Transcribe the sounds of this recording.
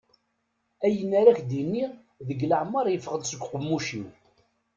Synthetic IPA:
æjənːaɾæçd̪inːi | ðəɡləʕmːɑɾˤjəfəʁəd̪səɡʷqəmːuʃi

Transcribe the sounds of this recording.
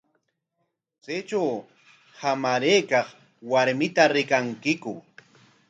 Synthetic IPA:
t͡set͡ʃaw | hamaɾeːkɑχ | waɾmɪt̪aɾɪkaŋkɪkʊ

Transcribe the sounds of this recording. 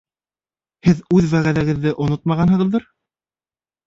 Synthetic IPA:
hɘðʉðwæʁæðæɡɘ̆ðːɘʔŏnot̪mɑʁɑnɦɤ̆ʁɤ̆ðːɤɾ

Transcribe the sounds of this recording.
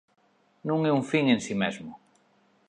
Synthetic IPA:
nũŋɛuŋfiŋẽnsimezmʊ

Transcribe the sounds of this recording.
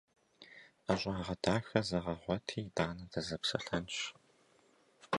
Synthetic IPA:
ɐɕʷʼaːʁɐdʰaːxɐzɐʁɐʁʷɔtʰiːdaːnɐdɐzɐpsɐ̰ɬɐnɕ

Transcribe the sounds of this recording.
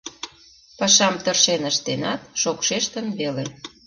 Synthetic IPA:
pɑʃɑmt̪ərʃenəʃt̪enɑt̪̚ʃokʃeʃt̪ə̆nβele

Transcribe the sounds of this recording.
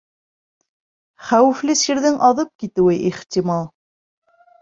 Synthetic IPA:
χæwɘ̆flɘsiɾðɘŋʔɑðɤp̚kit̪ɘ̆wɘʔiχt̪ʲimɑlˠ

